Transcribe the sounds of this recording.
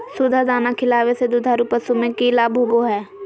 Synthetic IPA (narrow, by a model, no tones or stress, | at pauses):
sʊd̪ʱad̪aːnakʰɪlaːʋesed̪ʊd̪ʱaɾupəsumẽkilaːbʱuːboɦɛː